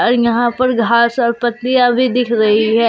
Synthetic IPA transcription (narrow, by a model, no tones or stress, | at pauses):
ɔːɾjɐɦãːpəɾɡʱaːsɔːɾpət̪ːɪjabʱiːd̪ɪkʰɾəɦiɦɛː